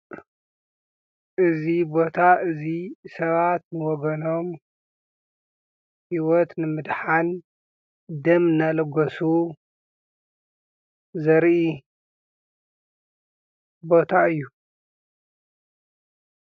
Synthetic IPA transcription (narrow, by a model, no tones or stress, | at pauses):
ʔɨzibo̞t̪ʰaʔɨzisɐβat̪nɨwɔɡɐno̞m | hiwɔt̪nɨmɨd̪ħan | d̪ɐmnalɐɡɐsu | zɐɾʔi | bo̞t̪ʰaɨjːu